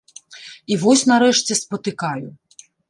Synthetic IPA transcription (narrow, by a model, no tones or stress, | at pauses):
iʋɔsʲnɐɾɛʃt͡sʲɛspɔt̪ɪkɑjʊ